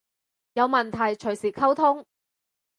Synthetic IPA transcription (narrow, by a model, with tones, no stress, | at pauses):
jɐ˨˧wmɐ˨˩nt̪ʰɐ˨˩jt͡ʃʰɵ˨˩ɥsiː˨˩kʰɐ˥wt̪ʰʊ˥ŋ